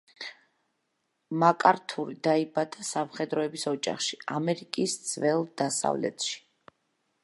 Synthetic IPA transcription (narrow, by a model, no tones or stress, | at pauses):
makʼaɾt̪ʰuɾid̪aibad̪asamχɛd̪ɾɔɛbisɔd͡ʒa̰χʃi̥amɛɾikʼisd̪z̥vɛlˠd̪̥asa̰vlɛ̰t̪ʰʃi̥